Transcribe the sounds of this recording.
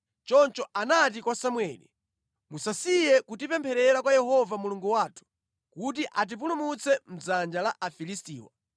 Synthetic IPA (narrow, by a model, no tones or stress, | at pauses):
t͡ʃɔnt͡ʃɔanat̬ikwasamwɛːli | musasijɛkutipɛmpʰɛɾɛɾakwajɛhɔvamuluŋɡuwaːtʰu̥ | kutiʔat̬ip̬ulumut͡sɛm̩d͡zand͡ʒalaʔafilistiːwa̰